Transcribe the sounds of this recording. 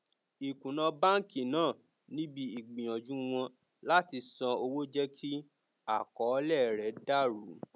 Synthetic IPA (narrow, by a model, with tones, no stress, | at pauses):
i˨kũ˨nã˧ba˦ŋ̩˦˨ki˨nãː˦˨ | nĩ˦bi˦i˨ɡ͡bĩ˨j̃ã˨d͡ʒũ˦w̃ɔ̃˧ | la˦ti˧sɔ̃˧o˧wo˦d͡ʒɛ˦kʰi˦ | a˦˨kɔ˨˦lɛ˦˨ɾɛ˨˦da˦˨ɾṵ˨˦